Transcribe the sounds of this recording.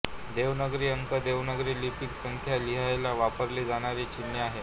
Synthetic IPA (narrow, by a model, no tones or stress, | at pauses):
d̪eʋnəɡɾiːəŋkəd̪eʋnəɡɾiːlipiksəŋkʰjaliɦajlaʋapəɾliːd͡zaɽ̃aɾiːt͡ɕinjəaɦe